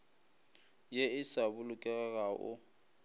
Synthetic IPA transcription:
jeɪsabʊlʊkʼɛɣɛɣaʔʊ̰

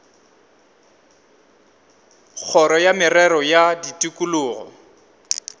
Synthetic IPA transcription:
k͡xʰɔɾɔjamɪrɛɾɔjaditʼikʼulʊːɣɔ̰

